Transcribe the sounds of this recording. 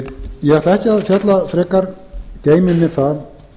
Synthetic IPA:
jɛɣaɾt̪aɛhcɪaðfjœt̪lafɾɛːkaɾ | ceːjmɪnːɪθa

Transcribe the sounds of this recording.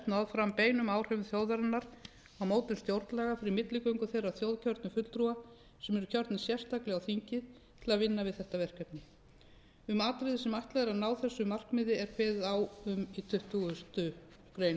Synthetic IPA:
t̪naðfɾampeːjnʏmaːwr̥ɛvʏnθjowðaɾanːaɾ | awmoːwt̪ɪ̥st̪jowɾt̪lɛːɣafɪɾɪɾmɪt̪lɪkœɥjŋkʏθejrawθjowðcʰœɾt̪nʏfʏt̪lt̪ɾua | sɛmɛɾʏcʰœɾt̪nɪsjɛr̥st̪aklɪɣawθiɲcɪð | t̪ʰɪlaðvɪnːavɪðθɛht̪avɛr̥kɛpnɪ | ʏmaːt̪ɾɪðɪsɛmajht̪lɛɣɾaðnaːwθɛsːʏmar̥kmɪðɪɛɾ̥kʰvɛːðɪðawʏmit̪ʰʏht̪uɣʏst̪ʏ | kɾejn

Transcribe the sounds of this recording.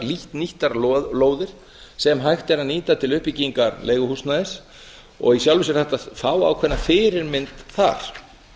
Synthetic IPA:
liht̪niht̪aɾlloːwðɪɾ̥ | sɛmɦajxt̪ɛɾaniːt̪at̪ʰɪlʏhpicːiŋkaɾleːjɣʏhusnaðɪs | ɔ̰ɣisjawlvisɪɾ̥θɛht̪aðfaːwa̰wkʰvɛnːafɪːɾɪɾmɪnt̪θa̰ɾ̥

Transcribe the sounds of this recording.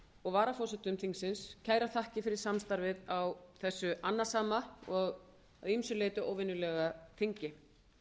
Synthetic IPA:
ɔɣvaːɾafɔsɛt̪ʏmθiŋksɪnscʰaːjɾaθahcɪfɪɾɪɾ̥samst̪aɾvɪðawθɛsːʏʔanːḁsaːmaɔɣ | aðimsʏleːjt̪ʏʔoːwvɪnʏlɛɣaθiɲcɪ

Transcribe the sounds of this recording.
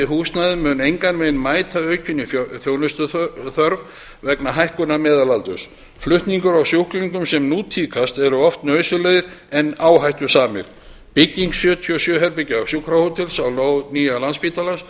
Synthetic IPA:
ɪɦuːsnaðɪmʏnejŋkanmeːjnmaːjt̪aœːɥcʰɪnːɪfθjoːwnʏst̪ʏθœɾv | vɛknaɦajhkʏnamɛːðalalt̪ʏ̰s | flʏht̪niŋkʏɾawsjowhkliŋkʏmsɛmnuːt̪ʰiːkʰast̪ɛɾʏɔft̪nœːɥsʏleðɪɾɛnːaːwɦajht̪ʏ̥saːmɪ̰ɾ̥ | pɪcːiŋksjœːt̪ʰiɔsjœɦɛɾpɪcaawsjowkʰɾahowt̪ʰɪlsawloːwniːjalanspiːt̪alans

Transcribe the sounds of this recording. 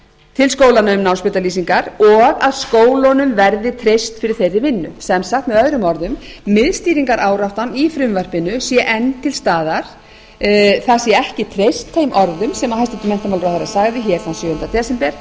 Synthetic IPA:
t̪ʰɪlskoːwlanœʏmnaːwspʏt̪aliːsiŋkaɾɔɣaðskoːwlɔnʏmvɛɾðɪt̪ʰɾejst̪fɪɾɪɾ̥θejɾɪvɪnːʏ̰sɛmsaht̪mɛðœðɾʏmɔɾðʏmːɪðst̪iːɾiŋkaɾʔaːwɾaft̪anifɾʏmvɛr̥pɪnːʏsjɛʔɛnːt̪ʰɪlst̪aːðaɾ̥ | θasjɛɛhcɪt̪ʰɾejst̪ʰθejmʔɔɾðʏmsɛmahajst̪ɪt̪ʏmɛnt̪amalɾɔwhθaɾasaːɣðɪçɛɾ̥θansjʏːɣʏnt̪at̪ʰɛːsɛmpɛɾ̥

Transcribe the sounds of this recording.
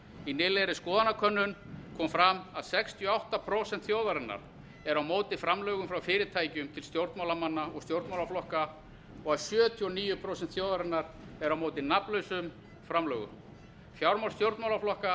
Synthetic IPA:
inɪːlejɾɪskɔːðanakʰœnːʏnkʰɔːmfɾamaðsɛkst̪ʰjɔawht̪apʰɾoːsɛnt̪θjowðaɾɪnːa̰ɾ̥ | ɛɾawmoːwt̪ɪfɾamlœːɣʏmfɾawfɪːɾɪt̪ʰaːjcʏmt̪ʰɪlst̪jowɾt̪nmawlamanːaɔɣst̪jowɾt̪mawlaflɔhka | ɔɣaðsjœːt̪ʰiɔniːjʏpʰɾoːsɛnt̪θjowðaɾɪnːaɾ | ɛɾawmoːwt̪ɪnapnlœɥsʏm | fɾamlœːɣʏ̰m | fjawɾmawlst̪jowɾt̪mawlaflɔhka

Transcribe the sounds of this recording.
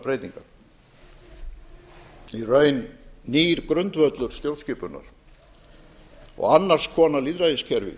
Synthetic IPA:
pɾejt̪iŋka | irœːjnːiːɾkɾœnt̪vœt̪lʏɾ̥st̪jowlscɪːpʏnːa̰ɾ̥ | ɔ̰ɣanːar̥skʰɔːnaliːðɾajɪscʰɛɾvɪ̰

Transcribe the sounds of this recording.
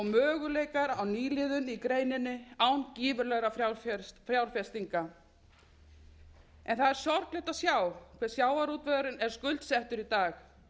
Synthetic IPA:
ɔmœːɣʏleːjkaɾawniːlɪðʏnikɾeːjnɪnːɪaːwnciːvʏɾlɛɣɾafɾjawffɾjawɾ̥fjɛst̪iŋka | ɛnθaðɛɾ̥sjɔɾklɛht̪asjaːwkʰvɛɾ̥sjaːwaɾuːt̪vɛðɾʏnɛɾ̥skʏlt̪sɛht̪ʏɾit̪aːx

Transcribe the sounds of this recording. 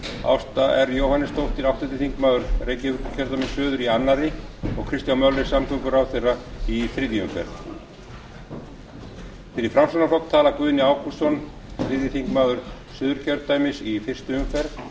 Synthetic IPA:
a̰wst̪aʔɛɾjowhanːɪst̪ʰowht̪ɪɾawht̪ɪt̪ɪθiŋkmaːðʏɾ̥reːjcɪʏcʰœɾt̪ajmɪnsʏːðʏɾianːaɾɪɔɣkʰɾɪst̪jawmœlɪsamkʰʏkʏɾawθejrːaiθfɾɪðiʏmfɛ̰ɾð | fɪɾɪɾfɾamsɔnaflɔk̪t̪ʰaːlakvʏːðnɪaːwkussɔn | fɾɪðjɪθiŋkmaːðʏɾ̥ | sʏːðʏɾcʰœɾt̪t̪ajmɪsifɪr̥st̪ʏʏmfɛɾð

